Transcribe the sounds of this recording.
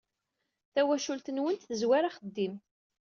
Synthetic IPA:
θæwæʃult̪ənwənt̪θəzwaɾaχəd̪ːim

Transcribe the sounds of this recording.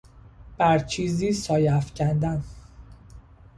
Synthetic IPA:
b̥æɾt͡ʃʰiːziːsɒːjæfcʰænd̪æn

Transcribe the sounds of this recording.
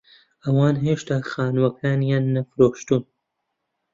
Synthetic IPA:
ʔɐwaːnheːʃt̪aːxaːnwɐkʰaːnjaːnːɐfɾoːʃt̪uːn

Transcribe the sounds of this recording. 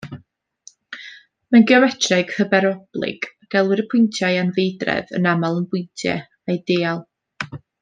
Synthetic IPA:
manɡjawɛtʰrɛɡ̥həbɛɾɔb̥lˠɪ̰ɡ̥ɡ̥ɛlˠwɪɾəpʰʊɨntʰjajanvejdrɛ̰və̰namalˠənbʊɨntʰjɛ̰ | ajdeːalˠ

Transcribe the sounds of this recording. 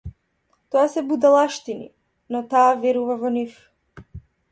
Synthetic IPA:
t̪ɔasɛbud̪alˠaʃt̪inḭ | nɔt̪aːvɛɾuvavɔnif

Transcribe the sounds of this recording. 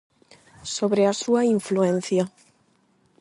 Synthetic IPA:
soβɾeasuaiɱfluẽn̟θja

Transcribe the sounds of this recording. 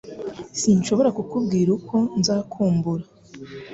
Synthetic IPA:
sinʃo̞βo̞ɾakukub̚ɡiːɾukʰo̞nzaːkʰuːmbuɾa

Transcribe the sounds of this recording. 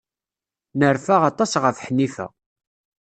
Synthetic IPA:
nəɾfaʁɑt̪ˤɑsʁəfħnːifæ̰

